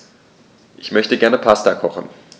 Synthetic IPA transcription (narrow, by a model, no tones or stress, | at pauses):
ʔɪçmœçtəɡɛɐnəpʰastakʰɔχn̩